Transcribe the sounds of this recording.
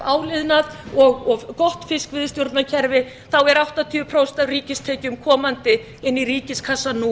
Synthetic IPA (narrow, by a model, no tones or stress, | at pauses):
aːwlɪðnaðɔɣɔɣkɔht̪fɪskvɪðst̪jowɾt̪nacʰɛɾvɪ | θawɛɾawht̪at̪ʰiːʏpʰɾowst̪awriːcɪst̪ʰɛːcʏmkʰɔːmant̪ɪ | ɪnːiɾiːcɪskʰasanu